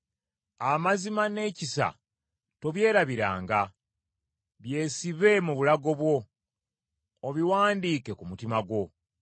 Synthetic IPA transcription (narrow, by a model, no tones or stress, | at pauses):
amazimane̞ːcisa̰ | to̞βje̞ːɾaβiɾa̰ːŋɡa | βje̞ːsiβe̞muβulaɡo̞βwo̞ | βiwaːndiːke̞kumutimaɡwo̞